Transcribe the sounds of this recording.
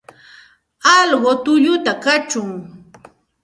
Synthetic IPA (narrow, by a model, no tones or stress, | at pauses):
ɑlwot̪ʊʎʊt̪akat͡ʃʊŋ